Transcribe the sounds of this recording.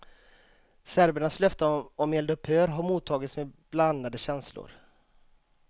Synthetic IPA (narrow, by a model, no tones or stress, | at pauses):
sæɾbəɳaslœft̪əɔmɛld̪ɵpːhøːɾɦaɾmuːt̪ʰːɑːɡɪt̪smebland̪ad̪əɕɛnslʊ̰ɾ